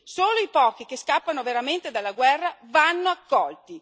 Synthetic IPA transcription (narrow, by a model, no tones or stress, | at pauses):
soːloipɔːk̟ik̟eskapːanoveɾament̪ed̪alːaɡwɛrːavanːoakːɔlt̪i